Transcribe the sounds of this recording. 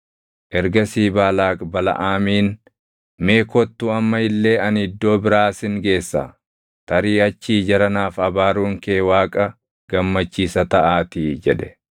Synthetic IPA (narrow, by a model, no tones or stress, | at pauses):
ʔɛɾɡɐsiːbaːlaːkʼbɐlɐ̰ʔaːmiːn | me̞ːkɔt̪ːʊɐmːɐɪlːe̞ːɐnɪd̪ːo̞ːbɪɾaːsɪŋɡe̞ːsːa̰ | t̪ɐɾiːɐt͡ʃːiːd͡ʒɐɾɐnaːfɐbaːɾuːŋkeːwaːkʼɐ | ɡ̥ɐmːɐt͡ʃːiːsɐt̪ɐʔaːt̪ɪd͡ʒɛᶑɛ̥